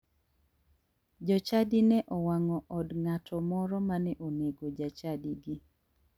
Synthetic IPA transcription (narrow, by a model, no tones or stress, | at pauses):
d͡ʒɔt͡ʃadinɛʔɔwaŋɔʔɔdŋatʰɔmɔɾɔmanɛʔoneɡod͡ʒat͡ʃadiɡi